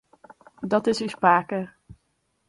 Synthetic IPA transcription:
dɑtɪsyspaːkər

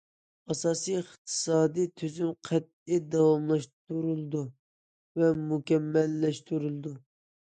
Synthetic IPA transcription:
ɑsɑːsijχt̪ʰɨ̥sɑːd̪it̪ʰyzymqʰɛt̪̚id̪ɑwɑmlˠɑʃt̪uɾulˠd̪u | vɛmukʲɛmːɛlːɛʃt̪ʰuɾulˠɨd̪u

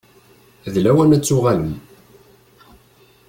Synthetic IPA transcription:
ðlæwænæt͡sːʊʁaləm

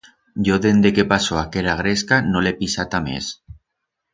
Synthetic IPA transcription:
ɟ͡ʝoðend̪ekepasoakeɾaɣ̞ɾeskanolepisat̪amḛs

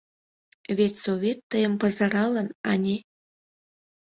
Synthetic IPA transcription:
vʲet̪ʲsoβʲet̪ːəjə̆mpɑzɑɾɑlə̆nɑnʲe

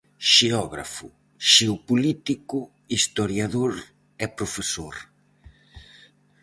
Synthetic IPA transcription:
ʃeɔɣɾa̰fʊ | ʃeopulit̪ikʊ | ist̪oɾjaðoɾ | ɛpɾofesoɾ

